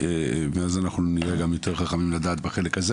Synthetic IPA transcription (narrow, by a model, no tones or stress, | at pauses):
emeazanaχnuniʁeɡamjo̞t̪ʰe̞ʁχaχamimladaːt̪beχe̞lekaze